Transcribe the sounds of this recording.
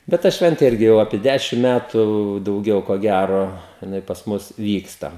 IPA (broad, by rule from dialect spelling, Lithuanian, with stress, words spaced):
bʲɛt ˈtɐ ˈʃʲʋʲɛnʲtʲeː ˈɪrʲɡʲɪ jɛʊ ɐpʲiɛ ˈdʲæʃʲɪm ˈmʲætʊ dɐʊˈɡʲɛʊ koː ˈɡʲæroː jɪˈnɐɪ pɐs ˈmʊs ˈʋʲiːkstɐ